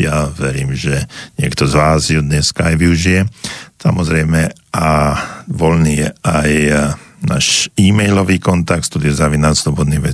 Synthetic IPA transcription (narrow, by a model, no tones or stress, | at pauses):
jaʋɛɾiːmʒɛɲɪɛkt̪ɔzʋaːzjud̪ɲɛskaajʋiuʒijɛsamɔzɾɛjmɛ | ʔaʋɔlniːjɛajna̰ːʃiːmɛjlɔʋiːkɔnt̪ak̚t̪st̪ud̪jɛzaʋinat̪slɔbɔd̪niʋɛ